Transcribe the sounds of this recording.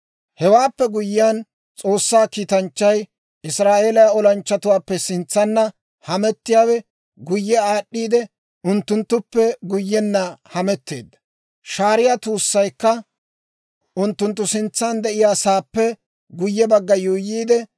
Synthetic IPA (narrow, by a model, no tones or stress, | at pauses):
hɛwaːpːɛɡʊjːɪjan | t͡sʼo̞ːsːaːkiːt̪ɐnt͡ʃːɐj | ɪsɾaːʔe̞ːlɐjaɔlɐnt͡ʃːɐt̪ʊwaːpːɛsɪnt͡sːɐnːɐ | hɐmɛt̪ːɪjaːwɛ | ɡʊjːɛaːɗːiːd̪ɛ | ʔʊnt̪ːʊnt̪ːʊpːɛɡʊjːɛnːɐhɐmɛt̪ːe̞̰ːd̪ːɐ | ʃaːɾɪjat̪uːsːɐjkːɐ | ʔʊnt̪ːʊnt̪ːʊsɪnt͡sːɐnd̪ɛʔɪjaːsaːpːɛ | ɡʊjːɛbɐɡːɐjuːjiːd̪ɛ